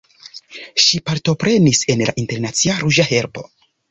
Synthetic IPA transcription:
ʃipaɾto̞pɾe̞nise̞nlaʔinte̞ɾnat͡siaɾuʒahe̞ɾbo̞̰

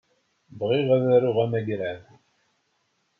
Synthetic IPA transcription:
bʁiʁæðæɾʊʁæmæɡɾæð

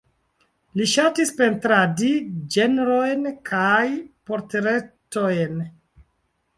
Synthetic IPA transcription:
liʃatispe̞ntɾadid͡ʒenɾo̞jnkʰajpo̞ɾteɾe̞tojn

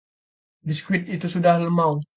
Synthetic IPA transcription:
diskwit̪̚it̪usudahləmaw

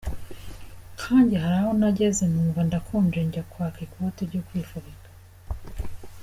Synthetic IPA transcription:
kʰaːnɟiɦaɾahonaɟezenuːɱvandakʰoːnd͡ʒeɲɟakwakekwoteɾɟokwifuβikḁ

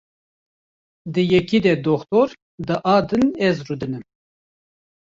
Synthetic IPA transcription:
d̪ɨjɛkiːd̪ɛd̪oxt̪oːɾ | d̪ɨʔɑːd̪ɨnɛzrud̪ɨnɨm

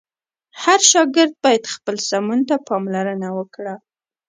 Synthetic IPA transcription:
haɾʃɑɡɪɾd̪̚bɑjad̪xpəlsamunt̪apɑmlaɾənawəkɽa

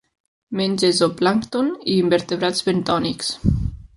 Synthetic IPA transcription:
menʲd͡ʒezoplaŋkt̪oniːmbeɾt̪eβɾazβent̪ɔniks

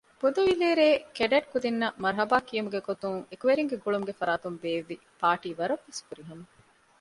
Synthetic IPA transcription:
b̥ud̪ɐʋileːɾeːkeɖeʈ̚kud̪inːɐmɐɾɦɐbaːkijɐmuɡeɡot̪uŋekuʋeɾiŋɡeɡuɭumuɡefɐɾaːt̪umbeːʋːi | paːʈiːʋɐɾɐʋːeskuɾiɦɐmɐ

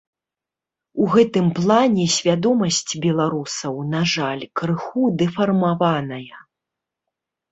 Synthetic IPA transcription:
uɣɛt̪ɨmplˠanʲɛsʲvʲad̪ɔmɐsʲt͡sʲbʲɛlˠaɾusɐwnaʐalʲkɾɨxud̪ɛfɐrmavanɐjɐ

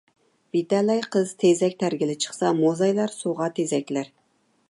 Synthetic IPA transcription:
b̥it̪ælæjqʰɨzt̪ʰezɛkʲt̪ʰæɾɡʲɪlɪt͡ʃʰə̥χsɑmozɑjlɑɾsoʁɑt̪ʰezɛkʲlæɾ

